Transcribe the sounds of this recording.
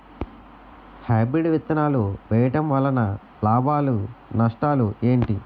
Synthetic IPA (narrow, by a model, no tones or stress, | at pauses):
haːbɾiɖʋit̪ːɐnaːluʋɛjɐʈɐmʋɐlːɐnɐ | laːbʱaːlunɐʂʈaːlue̞ːɳʈi